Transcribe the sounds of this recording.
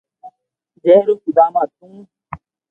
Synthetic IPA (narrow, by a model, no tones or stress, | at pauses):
d͡ʒeːɾoːkid̪aːmaːt̪̚ʰũː